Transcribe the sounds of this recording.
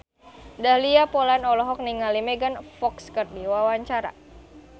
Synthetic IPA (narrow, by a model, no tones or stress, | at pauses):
dahliapɔlanɔlɔɦɔk̚niŋalimɛɡanfɔkskərdiwawaɲt͡ʃaɾa̰